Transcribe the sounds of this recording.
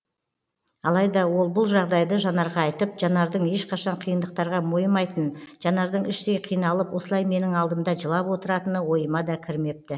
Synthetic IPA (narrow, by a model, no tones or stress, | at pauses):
ɑlˠɑjd̪ɑwo̞lˠbʊlˠʒɑʁd̪ɑjd̪əʒɑnɑɾʁɑːjt̪əpʒɑnɑɾd̪əɴe̞ʃqʰɑʃɑɴqʰijənd̪əq̚t̪ɑɾʁɑmojəmɑjt̪ənʒ̥ɑnɑɾd̪əɴɪʃt̪e̞jqʰijnɑlˠəpwo̞səlˠɑjme̞nɪŋɑlˠd̪əmd̪ɑʒəlˠɑpwo̞t̪əɾɑt̪ənəwo̞jəmɑd̪ɑkʲʰɪɾme̞p̚t̪ɪ